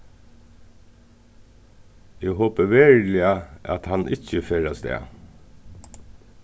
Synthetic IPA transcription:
jehoːpəʋeːɹlɪɑʔɑ̰t̪hɑnʔɪçəfeːɾɑst̪ḛː

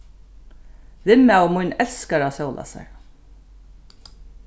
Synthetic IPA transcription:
vɪmawmʊjnɛlskaɾasowlʔa̰sa̰ɹ

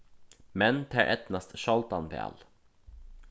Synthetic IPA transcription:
mɛnt̪ʰæ̰ːɾʔɛt̪nɑst̪ʃɔlt̪ɑnpḛːɑ̰l

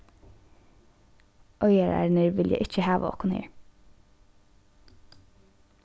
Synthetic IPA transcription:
ʔœʏəɹæ̰ːɹnəɹʋɪljæɪʔɪc͡çəhɑːʋʔə̰ɔ̰kʊnhḛːɹ

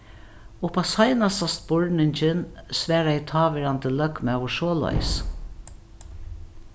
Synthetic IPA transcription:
ʊpasajnasast̪bɔɹnɪɲt͡ʃɪnsʋæːɾaɪt̪ʰɑːʋɛɾant̪əlœkmawʊʂɔːla̰j̰s

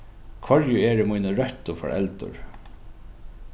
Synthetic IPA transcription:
kʰvɔɹjʊɛːɹmujnəɹœht̪ʊfɔ̰ɹɛ̰lt̪ʊ̰ɹ

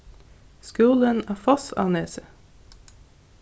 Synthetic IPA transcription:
skʉːlənæːfɔsɑ̰ːneːsə

